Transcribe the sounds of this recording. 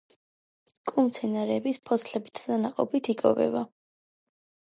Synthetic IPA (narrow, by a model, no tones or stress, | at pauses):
kʼumt̪sʰɛnaɾɛːbispʰɔsʰlɛbit̪ʰd̪anaqʼɔ̰pit̪ʰikʼɔvɛ̰ba